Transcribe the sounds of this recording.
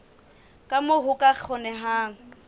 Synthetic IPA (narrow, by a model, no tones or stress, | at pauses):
kʼamoɦʊkʼak͡xʰɔnɛɦaːŋ̩